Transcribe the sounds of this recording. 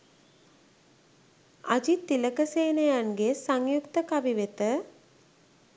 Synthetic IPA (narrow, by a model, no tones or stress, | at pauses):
ad͡ʒit̪ːiləkəseːnəjanɡesaŋjukt̪əkaʋiʋet̪ə